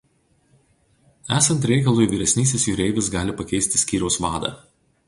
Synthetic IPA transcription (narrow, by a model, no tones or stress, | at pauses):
æːsɐnt̪ɾʲɛɪkɐlˠuːjʋʲiːɾʲɛsʲnʲiːsʲɪsjʊɾʲɛɪʋʲɪs̬ɡɑːlʲɪpɐkʲɛɪsʲt̪ʲɪ̥sʲkʲiːɾʲɛʊsʋɑːd̪ɐ̰ː